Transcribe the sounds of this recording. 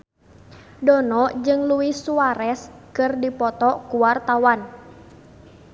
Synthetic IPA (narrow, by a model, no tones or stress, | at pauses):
dɔnɔʔd͡ʒɨŋluisuaɾɛskɨrdipɔt̪ɔkuwart̪awan